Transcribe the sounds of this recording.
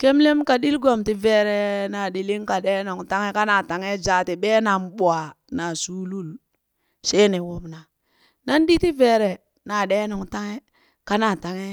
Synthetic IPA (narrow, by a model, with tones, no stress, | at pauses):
ke˦mle˦mka˨ɗi˦lɡo˨mti˨ve˨ɾe˨na˨ɗi˨li˦ŋka˨ɗe˦no˨ŋta˦ŋe˦ka˦na˨ta˨ŋe˦d͡ʒa˨ti˨ɓe˦na˨mɓo˨a˨ | na˨su˦lu˦l | se˦ne˨wo˨bna˨ | na˦ndi˦ti˦ve˨ɾe˨ | na˨ɗe˦no˨ŋta˦ŋe˦ | ka˦na˨ta˨ŋe˦